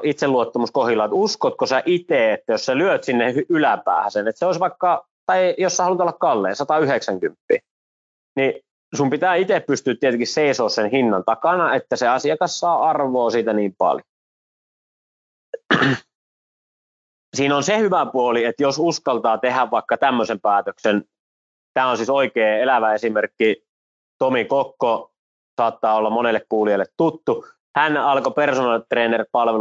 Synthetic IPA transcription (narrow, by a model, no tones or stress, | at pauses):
ʔit̪seluot̪ːɑmuskohilːˑɑːt̪uskot̪̚kosæʔit̪eːet̪ːæjosselyøt̪sinːehylæpæ̰ːhæsenet̪seoisʋɑikːɑ | t̪ɑijosːɑhɑlut̪olːɑkkɑlːḛːnsɑt̪ɑyheksæŋkympːḭː | ni | sumpit̪æːit̪eppyst̪yːt̪t̪iet̪eŋkisseisoːssenhinːɑnt̪ɑkɑnɑet̪ːæseɑsiɑkɑssɑːɑrʋoːsiːt̪æniːmpɑ̰ljo | siːnonsehyʋæpuoliet̪josuskɑlt̪ɑːt̪ehæʋʋɑˑikːɑt̪æmːøsempæːt̪øksen | t̪æːonsiːsoikeːelæʋæesimerkːi | t̪omikokːo | sɑːt̪ːɑːolːɑmmonelːekkuːliɑilːet̪t̪ut̪ːu | hænɑlkopersonɑlt̪reːnerpɑlʋe